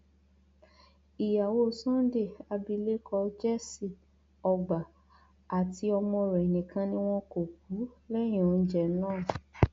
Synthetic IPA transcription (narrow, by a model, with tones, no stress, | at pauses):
i˨ja˨wo˦˨sɔ̃˦de˦˨a˧bi˧le˦kʰɔ˧d͡ʒɛ˦si˦˨ | ɔ˧ɡ͡ba˨ | a˨ti˧˦ɔ˧mɔ̃˧ɾɛ˨nĩ˨kʰã˧˦nĩ˦w̃ɔ̃˦ko˨k̚u˨˦lɛ˦j̃ɔ̃˨n̩˦d͡ʒɛ˧˨nãː˦˨